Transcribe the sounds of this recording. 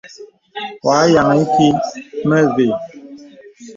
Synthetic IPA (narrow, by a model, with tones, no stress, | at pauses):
waː˨˦ja˨ŋ˨i˦ki˦mɛ˦ve˨